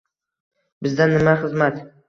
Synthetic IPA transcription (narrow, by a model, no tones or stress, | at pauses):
bɪzd̪anːɪmaχɨzmat̪